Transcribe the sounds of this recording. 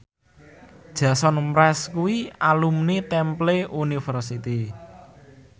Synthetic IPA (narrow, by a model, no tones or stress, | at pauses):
d̥ʒ̥ä̤sɔnmɾɛskuwialumnit̪ɛmpleunifərsit̪i